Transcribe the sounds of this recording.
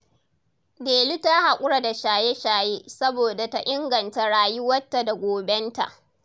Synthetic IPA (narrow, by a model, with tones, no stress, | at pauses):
deː˨lu˦ta˦ha˨kʷʼʊ˦ɽa˨da˨ʃaː˨je˦ʃaː˨je˦sɐ˦boː˨da˨ta˦ʔɪ˦ŋɡɐ˨nta˨ɽaː˨ji˦wɐ˦tːa˨da˨ɡʷoː˨bɛ˦nta̰˨ʔ